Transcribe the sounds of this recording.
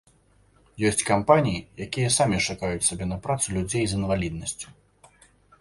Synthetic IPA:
jɔsʲt͡sʲkampanʲijijakʲijɐsamʲiʂakajut͡sʲsʲabʲɛnɐpɾat̪sulʲud͡zʲejzinvalʲid̪̚nɐsʲt͡sʲu̥

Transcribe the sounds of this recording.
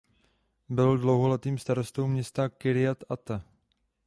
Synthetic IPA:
bɪldlowɦolɛt̪iːmst̪aɾost̪owmɲɛst̪akɪɾɪat̪at̪a

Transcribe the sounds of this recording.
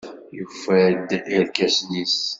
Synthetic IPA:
jufæd̪ʔilkæsnis

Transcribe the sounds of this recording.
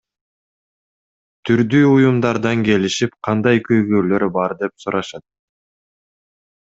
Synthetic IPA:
t̪ʰyɾd̪yːujumd̪ɑɾd̪ɑŋke̞liʃipqʰɑnd̪ɑjkøjɡøːlø̞ɾbɑɾd̪e̞psuɾɑʃɑt̪̚

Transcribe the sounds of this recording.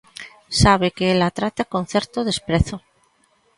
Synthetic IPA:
saβ̞ekeelat̪ɾat̪akon̟θɛɾt̪oðespɾeθo

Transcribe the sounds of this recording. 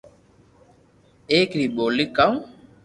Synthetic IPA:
eːkɾiːɓoːlikːaw

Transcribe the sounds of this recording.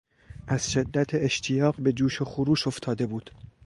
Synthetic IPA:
ʔæz̥ʃe̞d̪ːæt̪ʰeeʃt̪ʰijɒːɢbe̞d͡ʒuːʃoxuɾuːʃo̞ft̪ʰɒːd̪e̞buːd̪̥

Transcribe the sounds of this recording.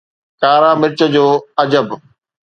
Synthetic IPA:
kaːɾaːmɪɾt͡ɕə̆d͡ʑoːɐd͡ʑəb

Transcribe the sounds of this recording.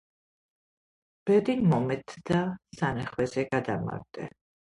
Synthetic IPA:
b̥ɛd̪inmɔmɛt̪ʰd̪asanɛχwɛzɛɡad̪ama̰ɾd̪ʼɛ

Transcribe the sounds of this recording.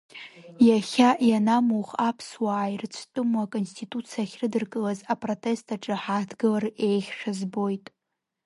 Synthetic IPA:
jaχʲaʔjanamuχapʰswaːjrt͡ʃʷʰtʼɨmwakʼo̞nstʰitʼut͡sʰijaχʲrɨdɨrkʼɨlazapʼro̞tʰʼe̞stʰaʈ͡ʂʼɨħatʰɡɨlare̞jχʲʂᶣazbo̞jtʼ

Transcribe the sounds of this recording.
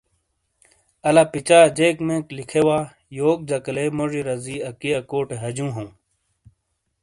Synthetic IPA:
ɐlapit͡ɕaːd͡ʑekmẽːklikʰewaː | joːk̚d͡ʑɐkɐlemoʐiɾɐziɐkijɐkoːʈeɦɐd͡ʑũːɦõː

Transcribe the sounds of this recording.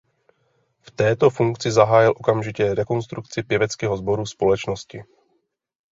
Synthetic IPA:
ft̪ɛːt̪o̞fuŋkt͡sɪzaɦaːjɪlʔo̞kamʒɪcɛɾɛko̞nst̪ɾukt͡sɪpjɛvɛt͡skɛːɦo̞zbo̞ɾuspo̞lɛt͡ʃnoscɪ

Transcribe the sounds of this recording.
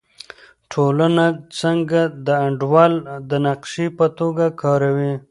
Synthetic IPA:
ʈʰolənat͡səŋɡad̪əːɳɖwɑld̪ənaqʃipət̪oɡakʰɑɾawi

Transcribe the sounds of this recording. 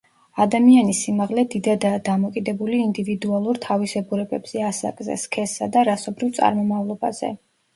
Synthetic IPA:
ad̪amianisimaʁlɛd̪id̪ad̪aːd̪amɔkʼid̪ɛbuliːnd̪ivid̪ualˠuɾt̪ʰavisɛbuɾɛbɛbz̥ɛasa̰kʼzɛ̰skʰɛsa̰d̪aɾasɔbɾivt̪sʼa̰ɾmɔmavlˠɔba̰z̥ɛ̰

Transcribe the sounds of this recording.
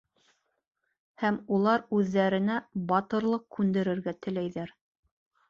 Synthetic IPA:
hæmulˠɑɾʉðːæɾɘ̆næbɑt̪ɤ̆ɾlˠɤqkʉnd̪ɘ̆ɾɘ̆ɾɡæt̪ɘ̆læjðæɾ

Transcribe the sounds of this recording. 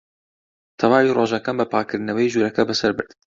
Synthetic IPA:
t̪ʰɐwaːwiroːʒɐkanbɨpʰaːkɨɾnɐwɛiʒuːɾɛkɐbɨsɐɾbɨ̰ɾd̪

